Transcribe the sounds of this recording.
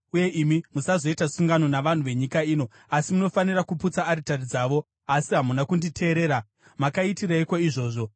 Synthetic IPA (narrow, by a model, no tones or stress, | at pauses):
uje̞ʔimimusazo̞itasuŋɡano̞naʋan̤uʋe̞ɲikaiːno̞ | asimuno̞fanirakuput͡saːɾitarid͡zaːʋo̞ | asiɦamunakunditʰe̞ːɾe̞ːɾa | makaitiraikwaiʐo̞ːʐo̞